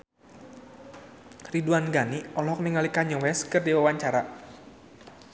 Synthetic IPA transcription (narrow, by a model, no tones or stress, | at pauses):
riduanɡaniɔlɔk̚niŋalikaɲɔwɛskɨrdiwawaɲt͡ʃaɾa